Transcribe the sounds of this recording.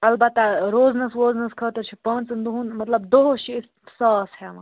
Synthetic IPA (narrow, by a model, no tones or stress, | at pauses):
ɐlbɐt̪ːɐɾoːznɐsʋoːznɐskʰɐːt̪ɐɾt͡ʃʰipɐ̃ːnt͡sɨnd̪uɦunmɐt̪lɐbd̪oɦot͡ʃʰiɪ̥ | saːshemɐ